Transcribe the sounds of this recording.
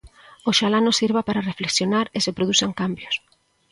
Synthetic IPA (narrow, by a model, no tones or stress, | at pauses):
oʃalanosiɾβapaɾarefleksjonaɾesepɾoðusaŋkambjos